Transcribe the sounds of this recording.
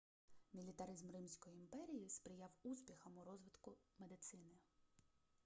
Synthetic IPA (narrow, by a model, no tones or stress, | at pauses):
mʲilʲit̪ɐɾɪzmrɪmsʲkɔjiimpɛɾʲijispɾɪjɑwuspʲixɐmʊɾɔzʋɪt̪kʊmed̪ɪt̪sɪnɪ